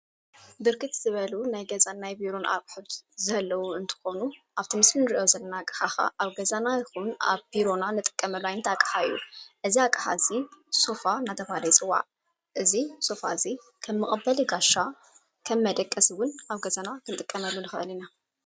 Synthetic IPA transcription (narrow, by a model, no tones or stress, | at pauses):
bɨɾkʰɨt̪z̥ɨβɐlunajɡɐzanajbiɾo̞nʔa̰ɾkħot̪zɐlːɐwuɨnt̪ʰɨ̥xo̞nuʔaβt̪ʰimɨsmɨnɨɾiʔo̞zɐlːɐnakʼɨ̥ħaxa̰ʔaβɡɐzanajxuna̰βbiɾo̞nanɨt̪ʼɨ̥kʼːɐmɐlːuajɪnt̪ʰakʼħaɨjːuʔɨziakʼħa̰ziso̞fanat̪ʰɐfalɐjsʼɨwa̰ʕ | ʔɨziso̞faɨzi | kʰɐmːɨχʼɐbːɐliɡaʃa | kʰɐmːɐd̪ɐkʼːɐswʊnʔaβɡɐzanakʰɨnt̪ʼɨkʼːɐmɐlːunɨxɨ̰ʔɨlina